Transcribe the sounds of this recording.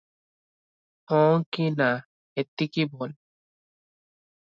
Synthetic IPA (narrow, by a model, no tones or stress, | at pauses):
hɔ̃kina | et̪ːikibol